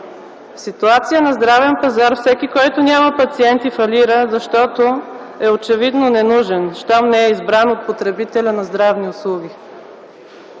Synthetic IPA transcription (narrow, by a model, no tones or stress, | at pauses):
sit̪uat̪sijənɐzd̪ɾavɛnpɐzaɾfsɛkikɔjt̪onʲaməpɐt̪siɛnt̪ifɐliɾəzɐʃt̪ɔt̪o | ɛot͡ʃɛvid̪nonɛnuʒɛnʃt̪ɔmnɛɛizbɾanot̪̚pot̪ɾɛbit̪ɛlʲənɐzd̪ɾavniʊslˠuɡi